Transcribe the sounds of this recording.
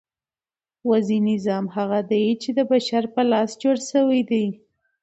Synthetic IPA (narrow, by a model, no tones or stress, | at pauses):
wazinɪzɑmɦaɣad̪ajt͡ʃed̪əbaʃaɾpəlɑsd͡ʒoɽʃəwijd̪ij